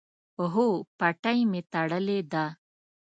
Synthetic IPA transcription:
oɦopɐʈajmet̪aɽəled̪a

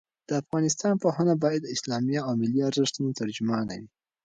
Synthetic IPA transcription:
d̪̥əafɣɑnɪst̪ɑnpohanabɑjad̪ɪslɑmijaawmɪliaɾzəʂt̪unot̪aɾd͡ʒʊmɑna̰wi

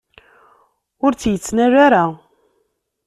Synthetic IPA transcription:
ʊɾt͡sːjət͡sːnæɾaɾa

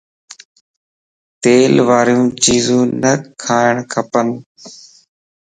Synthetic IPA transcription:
t̪eːlʋaːɾjũːt͡ʃiːzũːnəkʰaːɪɳ̃kʰəpən

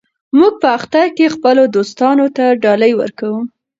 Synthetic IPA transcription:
muɡ̚pəaxt̪aɾkexpəlod̪ost̪ɑnot̪aɖɑləjwə̰ɾkawu

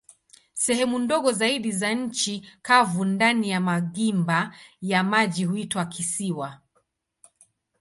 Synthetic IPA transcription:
sɛhɛmundɔɠɔzaiɗizaɲ̩t͡ʃikavundanijamaɠimbajamaʄihuitwakʰisiwa

